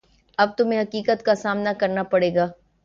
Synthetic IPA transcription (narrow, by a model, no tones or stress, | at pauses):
ɐb̚t̪ʊmẽɦɐkiːkət̪kasaːmnakɐɾnapɐɽeːɡaː